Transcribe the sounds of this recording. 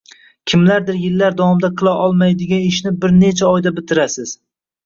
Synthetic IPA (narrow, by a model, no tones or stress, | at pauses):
kʲʰɪmlaɾd̪ɪɾjɪlːaɾd̪awɒmd̪aqʰɨlˠaʔɒlˠmajd̪ɪɡʲanɪʃnɪbɪɾne̞t͡ʃʰaɒjd̪abɪt̪ʰɪɾasɪz̥